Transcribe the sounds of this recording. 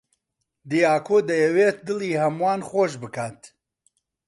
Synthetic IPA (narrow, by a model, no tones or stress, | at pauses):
d̪ijaːkʰoːd̪ɐjɛweːt̪̚d̪ɨliːhɐmwaːnχoʃ̬bɨkʰaːt̪